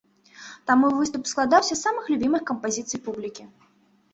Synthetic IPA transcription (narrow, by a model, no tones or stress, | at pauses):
t̪amuvɨst̪upsklˠad̪awsʲɐsːamɨxlʲubʲimɨxkɐmpazʲit̪sɨjpublʲikʲi